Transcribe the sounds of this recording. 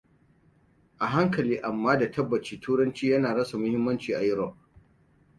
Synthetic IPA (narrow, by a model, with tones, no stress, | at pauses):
ʔa˨ɦa˦ŋkɐ˨liː˦ʔa˨mːaː˦da˨tʰɐ˦bːɐ˨t͡ʃiː˦tʰuː˦ɽɐ˦nt͡ʃiː˦jɐ˦naː˨ɽɐ˦sa˨mʊ˦hɪ˦mːɐ˦nt͡ʃiː˨ʔa̰˨jɪ˦ɾɔ˨ʔ̚